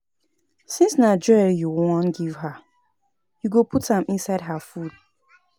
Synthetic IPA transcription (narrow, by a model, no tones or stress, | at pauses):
sĩnsnad͡ʒɔɹijuwɔ̃nɡivɦa | juɡopʰuthãmĩnsaɪd̚ɦafud̥̚